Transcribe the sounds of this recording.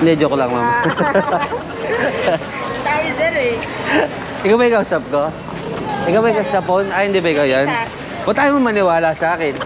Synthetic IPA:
mɛd͡ʒokolɐŋma̰m | t̪aːjosɛɾɛ | ʔɪkawbɐɪkaːusap̚ko | ʔɪkawaɪkausap̚ːonahɪnd̪ɪbɐɪkajan | ʔot̪aːjomomɐnɪwaːlasɐʔaːkɪn

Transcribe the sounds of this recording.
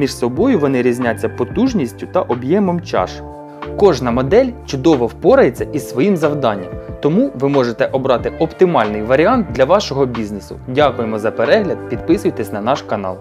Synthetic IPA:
mʲiʃsɔbɔjʊʋɔnɪɾʲizʲnʲat͡sʲːɐpɔt̪uʒnʲisʲtʲʊt̪ɐʔɔbjɛmɔmt͡ʃɑ̰ʃ | kɔʒnɐmɔd̪ɛlʲt͡ʃʊd̪ɔʋɔwpɔɾɐjet͡sʲːɐʔisʋɔjimzɐwd̪ɑnʲːɐmt̪ɔmuʋɪmɔʒet̪ɛʔɔbɾɑt̪ɪɔpt̪ɪmɑlʲnɪjʋɐɾʲiɑnt̪̚d̪lʲɐʋɑʃɔɦɔbʲiznesʊ̰dʲakʊjemɔzɐpeɾɛɦlʲɐd̪̚pʲid̪pɪsʊjt̪ɛsʲnɐnɑʃkɐnɑ̰lˠ

